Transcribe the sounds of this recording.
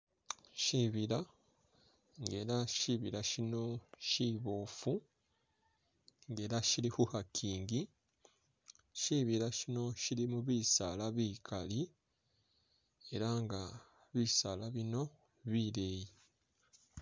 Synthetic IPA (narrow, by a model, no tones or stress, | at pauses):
ʃiβiɾa | ŋɡe̞ːɾaʃiβiɾaʃino̞ʃiβo̞ːfu | ŋɡe̞ːɾaʃiɾihuhakʰiːŋɡi | ʃiβiɾaʃino̞ʃiɾimuβiːsalaβiːkʰali | e̞ɾaŋɡa | βisalaβino̞ | βiːɾe̞ːji